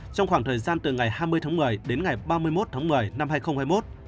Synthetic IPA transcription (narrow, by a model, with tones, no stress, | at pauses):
t͡ɕɔ˧wŋ͡mxwaː˧˩ŋt̪ʰəː˨˩jzaː˧nt̪ɨ˨˩ŋa˨˩jhaː˧jmɨ˧əjt̪ʰaː˨˦ŋmɨ˨˩əjɗe˨˦nŋa˨˩jɓaː˧mɨ˧əjmo˦˥t̚t̪ʰaː˨˦ŋmɨ˨˩əjna˧mhaː˧jxə˧wŋ͡mhaː˧jmo˦˥t̚